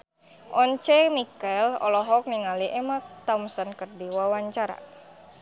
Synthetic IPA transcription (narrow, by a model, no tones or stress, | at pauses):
ʔɔɲt͡ʃɛmikalɔ̰lɔɦɔk̚niŋaliʔɛmat̪amsənkərdiwawaɲt͡ʃaɾa̰